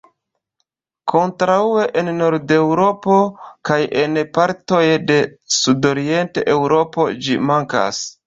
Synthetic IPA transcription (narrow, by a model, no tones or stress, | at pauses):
kʰo̞ntɾaue̞ʔenno̞ɾde̞wɾo̞po̞kaje̞npaɾto̞jde̞sudo̞ɾie̞ntḛʔewɾo̞po̞d͡ʒimaŋka̰s